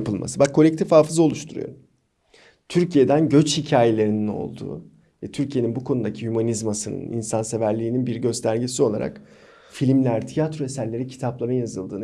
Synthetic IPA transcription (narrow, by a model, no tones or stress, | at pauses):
pʰɯlˠma̰sɯbakʰːo̞lʲɛc̚t̪ʰifhaːfɯzo̞lˠuʃt̪ʰuɾṵjo̰ɾum | t̪ʰyɾcʰije̞d̪ænɟø̞t͡ʃhicʰaːje̞lʲe̞ɾinino̞̰lˠd̪ṵː | vɛt̪ʰyɾcʰijeninbukʰo̞nud̪acʰihymanizmasɯnɯ̰nḭnsanse̞væɾlʲiːninbiɾɟø̞st̪ʰæɾɟesio̞lˠa̰ɾa̰k | filʲimlʲæɾt̪ʰijat̪ɾoe̞sæɾlʲe̞ɾicʰi̥t̪ʰaplˠaɾɯnjazɯlˠd̪ɯːn